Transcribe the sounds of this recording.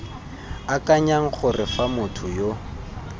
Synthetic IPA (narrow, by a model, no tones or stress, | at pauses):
akʼaɲaŋ̩χʊrɪfamʊtʰʊjo